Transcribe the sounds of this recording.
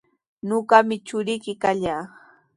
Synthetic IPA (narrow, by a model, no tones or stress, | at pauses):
noɢɑmɪt͡ʃʊɾɪjkɪkaʎaː